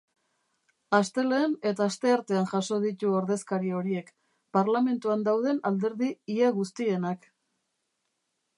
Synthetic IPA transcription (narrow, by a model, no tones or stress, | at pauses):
ast̪e̞le̞ːne̞t̪aːst̪e̞aɾt̪e̞anʝaso̞ð̞it̪uoɾðe̞skaɾio̞ɾie̞k | paɾlame̞nt̪uand̪awð̞e̞nald̪e̞ɾðiːaɣust̪ie̞nak